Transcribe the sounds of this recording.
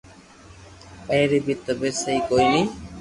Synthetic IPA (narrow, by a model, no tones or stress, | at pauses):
peɾibit̪ːobesejkojni